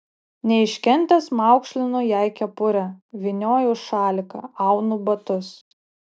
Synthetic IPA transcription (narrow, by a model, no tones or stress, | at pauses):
nʲɛɪʃʲkʲɛnʲt̪ʲɛsmɑˑʊkʃʲlʲɪnuːjæˑɪkʲɛpʊɾʲɛʋʲɪnʲoːjuʃɑːlʲɪkɐ̰ɑˑʊnubɐt̪ʊs